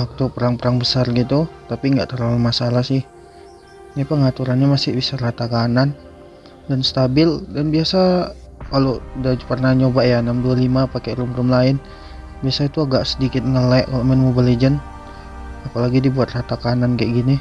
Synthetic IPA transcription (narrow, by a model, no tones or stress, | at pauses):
wak̚t̪upəɾaŋpəɾaŋbəsarɡit̪ut̪apiŋɡa̰ʔt̪əɾalumasalasɪh | napəŋat̪uɾanɲamasɪhbisaɾat̪akanan | danst̪abɪldanbiasa | kalodapərnaɲobajanamdualimapakeɾʊmrʊmlaɪn | biasait̪uaɡaʔsədikɪt̪̚ŋəlɛʔkalomənmubaled͡ʒən | apalaɡidibuat̪̚rat̪akanankaʔɡini